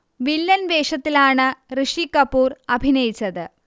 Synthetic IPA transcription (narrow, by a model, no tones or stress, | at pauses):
ʋilːɐnʋeːʂɐt̪ːilaːɳɨrɨʂikɐpːuːrɐbʱinɐjit͡ɕːɐðɨ